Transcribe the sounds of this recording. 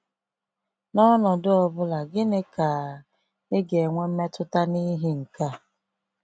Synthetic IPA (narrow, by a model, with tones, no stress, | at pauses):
nɔ˦nɔ˨dʊ˦ɔ˨bʊ˦la˨ɡɪ˦ne˦ka˨ | ɪ˦ɡe˨ŋʷe˦m̩˦me˦tʊ˦ta˦ni˦ɦi˦ŋ̩˨ka˦